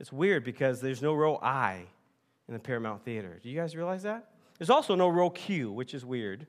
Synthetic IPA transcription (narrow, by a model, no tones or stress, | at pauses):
ɨtswɪɹd̚bɨkʰʌzðə˞znoʊɹoʊʔa̰ɪ | ɨ̃nðɨpʰɛɹɨmãʊ̃nθiɨɾə̰˞d̥ɨjɨɡaɪzɹiəlaɪzðæt̚ | ðə˞zɔlˠsoʊnoʊɹoʊkʰj̥ʉwɨt͡ʃɨzwɪɹd̥